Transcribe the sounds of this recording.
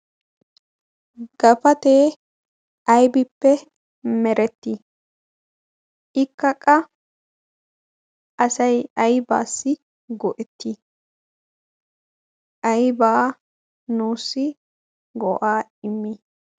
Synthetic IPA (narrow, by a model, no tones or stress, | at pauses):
ɡ̥ɐfɐt̪eː | ʔɐjbɪpːɛ | mɛɾɛt̪ːi | ʔɪkːɐkʼɐ | ʔɐsɐjɐjba̰ːsːɪ | ɡɔʔɛt̪ːi | ʔɐjbaː | nuːsːɪ | ɡɔʔaːɪmːi